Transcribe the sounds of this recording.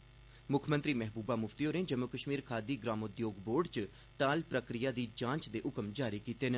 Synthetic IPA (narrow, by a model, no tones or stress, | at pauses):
mʊkʰmənt̪ɾiːmɛɦbuːbaːmʊfʰt̪ijoːnẽːd͡ʒəmokəʃmiːɾkʰaːd̪iːɡɾaːmʊd̪joːɡboːɾɖt͡ʃ | t̪aːlpɾəkɾɪjaːd̪iːd͡ʒãːɲt͡ʃd̪eːʔʊkəmd͡ʒaːɾiːkiːt̪eːnə